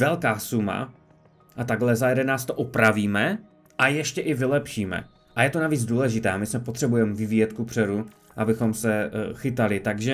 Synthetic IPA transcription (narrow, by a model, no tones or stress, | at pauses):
vɛlkaːsuma̰ | ʔat̪aɡlɛzajɛdɛnaːst̪oʔopɾaviːmɛ | ʔajɛʃcɛʔɪvɪlɛpʃiːmɛ̰ | ʔajɛt̪o̞naviːd͡zduːlɛʒɪt̪ɛːamɪsmɛpot̪r̥ɛbujɛmɛvɪviːjɛt̪kupr̥ɛɾu | ʔabɪxo̞msɛxɪt̪alɪt̪aɡʒɛ